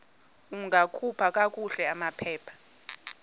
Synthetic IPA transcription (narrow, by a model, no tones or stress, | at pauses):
uŋʱakʰupʰakʼakʼuɬɛamapʰɛːpʰḁ